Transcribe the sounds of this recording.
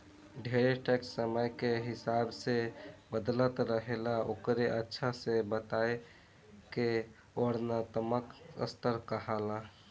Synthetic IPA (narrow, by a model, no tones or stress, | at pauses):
ɖʱeɾeʈɛksːəməjkeɦɪsabsebəd̪lət̪ɾəɦelaokɾeʔətːʃʰasebət̪ae | ke | oɾnat̪əməkə̰st̪əɾkəɦala